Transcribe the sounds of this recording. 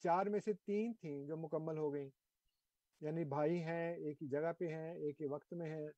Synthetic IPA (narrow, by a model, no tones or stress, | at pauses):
t͡ʃaːɾmẽset̪iːnt̪ʰĩd͡ʒoːmʊkəmːəlɦoɡɐĩː | jaːnibʱaːiɦɛ̃eːkid͡ʒɐɡapeɦɛ̃eːkːeʋɐkt̪mẽɦɛ̃